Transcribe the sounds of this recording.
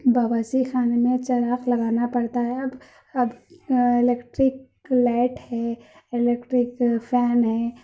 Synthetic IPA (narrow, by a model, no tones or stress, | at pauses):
bʱɐbasixaːnmẽt͡ʃɐɾaːklɐɡaːnapɐɽt̪aɦɛɐb | ɐbeleːkʈɾɪk | laɪʈhɛ | elekʈɾɪkpʰɛːnɦɛː